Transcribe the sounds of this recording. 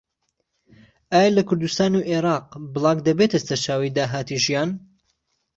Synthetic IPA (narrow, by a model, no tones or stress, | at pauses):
ʔaːjalɐkʰʊɾd̪ust̪aːnuʔeɾɑːqbɨlˠɑːɡd̪ɐbet̪ʰɐsɐt͡ʃaːwijd̪aːɦaːt̪ʰiʒijaːn